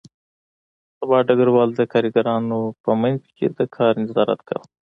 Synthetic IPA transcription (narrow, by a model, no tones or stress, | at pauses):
sabɑɖaɡaɾwɑld̪əkɑɾiɡaɾɑnopəmankkʰḛd̪əkʰɑɾnɪzɑɾa̰t̪kʰa̰w